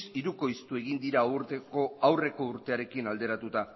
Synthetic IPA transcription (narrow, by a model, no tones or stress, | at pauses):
siɾuko̞ist̪ue̞ɣ̞ind̪iɾauɾt̪eoawre̞ko̞uɾt̪e̞aɾe̞kinald̪e̞ɾat̪ut̪a